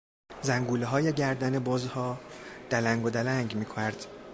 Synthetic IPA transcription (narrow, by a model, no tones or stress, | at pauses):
zæŋɡuːleɦɒːjeɟæɾd̪ænebɒzhɒːd̪̥ælæŋɡod̪ælæŋɡmiːkʰonæɾd̪̥